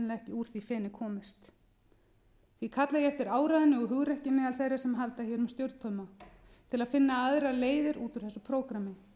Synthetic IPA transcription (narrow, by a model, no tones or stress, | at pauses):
laɣɛhcɪuːɾ̥θifɛːnɪkʰɔːmɪst̪ | θvikʰat̪lajɛɛft̪ɪɾaːwɾaðɪnːɪɔɦʏɣɾɛhcɪmɛːðalθɛjrḁsɛmɦalt̪açɛɾmst̪jœwɾt̪ʰœɥma | t̪ʰɪlaðfɪnːaaðɾaleːjðɪɾuːt̪ʏɾ̥θɛsʏpʰɾoːwkɾamɪ